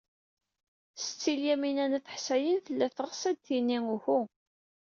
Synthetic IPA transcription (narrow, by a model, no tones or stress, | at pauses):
sə̥t͡sːiljæminænəθə̥ħsæjənθəlːæθəʁsæd̪θinːiŋuçu